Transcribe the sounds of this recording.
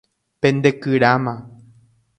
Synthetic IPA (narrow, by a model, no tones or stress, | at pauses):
pẽ̞nd̪ekɨɾamã